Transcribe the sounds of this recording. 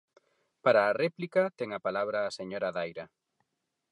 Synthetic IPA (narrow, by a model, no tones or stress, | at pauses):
paɾaːrɛplikɐt̪eŋapalaβ̞ɾaːseɲoɾaðajɾa